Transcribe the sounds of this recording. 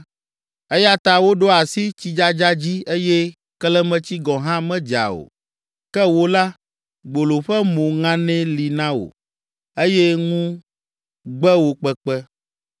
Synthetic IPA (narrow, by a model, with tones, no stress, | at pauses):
ɛ˦ja˦t̪a˨wo˦ɖo˦a˨si˦t͡ɕi˦d͡ʒa˦d͡ʒa˦d͡ʑi˦e˦jɛ˦ | klɛ˦mɛ̃˦t͡ɕi˦ɡɔ̃˨ɦã˦mɛ̃˦d͡ʒa̰˨o̰˨ | kɛ˦wo˦la˦ | ɡ͡bo˨lo˨ɸɛ˦mõ˨ŋã˦nɛ̃˦li˨nã˦wo̰˨ | e˦jɛ˦ŋũ˦ | ɡ͡bɛ˦wo˨k͡pɛ˨k͡pɛ˦